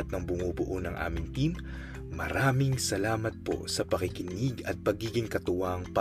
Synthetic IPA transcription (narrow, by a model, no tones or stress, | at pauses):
t̪̚nɐŋbʊŋobʊʔonɐŋʔa̰ːmɪŋt̪imː | ɐ̰ɾaːmɪŋsɐlaːmɐt̪̚po̞̰sɐpɐkɪkɪniɡɐt̪̚pɐɡiːɡɪŋkɐt̪ʊwaŋpɐ